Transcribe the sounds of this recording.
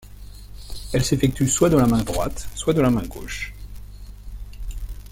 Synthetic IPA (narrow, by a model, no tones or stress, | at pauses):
ɛlsefɛk̚t̪yswad̪əlamɛ̃d̪ʁwa̰t̪swad̪əlamɛ̃ɡo̰ʃ